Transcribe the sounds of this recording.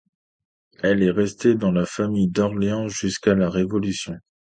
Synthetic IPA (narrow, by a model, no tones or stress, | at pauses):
ɛlɛʁɛst̪ed̪ɑ̃lafamijd̪ɔʁleɑ̃ʒyskalaʁevɔlysjɔ̃